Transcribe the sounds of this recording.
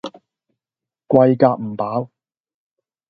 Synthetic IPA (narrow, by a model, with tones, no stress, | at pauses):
kʷɐ˧jkaː˧k̚m̩˨˩paː˨˥w